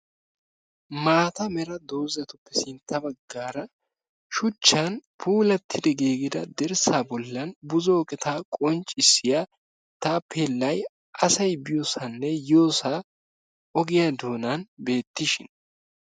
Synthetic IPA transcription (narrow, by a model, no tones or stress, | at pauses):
maːt̪ɐmɛɾɐd̪o̞ːzɐt̪ʊpːɛsɪnt̪ːɐbɐɡːaːɾɐ | ʃʊt͡ʃːɐnpʰuːlɐt̪ʰːɪd̪ɛɡeːɡɪd̪ɐd̪ɛɾsaːbɔlːɐnbʊzoːkʼɛt̪ʰaːkʼɔnt͡ʃʼːɪsːɪjaː | t̪aːpʰeːlːɐj | ʔɐsɐjbɪjoːsɐnːɛjo̞ːsaː | ɔɡɪjad̪o̞ːnɐnbe̞ːt̪ːɪʃɪn